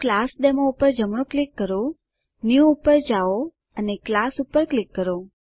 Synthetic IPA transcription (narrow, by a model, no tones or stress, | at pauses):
klasd̪emõupəɾd͡ʒəmɳ̃oklikːəɾo | njuupəɾd͡ʒao | əneklasupəɾklɪkːəɾo